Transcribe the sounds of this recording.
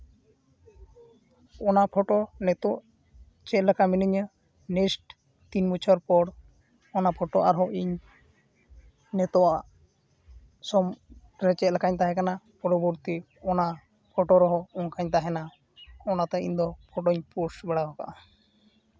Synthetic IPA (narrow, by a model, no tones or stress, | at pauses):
ɔnapʰɔʈɔnɛt̪ɔʔ | t͡ʃɛt̪lakaminiɲə | nɛsʈ | t̪inmut͡ʃʰɔɾpɔɽ | ɔnapʰɔʈɔʔaɾɦɔʔiɲ | nɛt̪ɔaʔ | sɔm | ɾɛt͡ʃɛt̪lakaɲt̪aɦɛ̃kanapɔɾɔbɔɾt̪i | ɔna | pʰɔʈɔɾɔɦɔɔŋkʰaɲt̪aɦɛna | ɔnat̪ɛḭɲd̪ɔpʰɔʈɔɲpuɾsbɛɽaɦɔka̰ʔa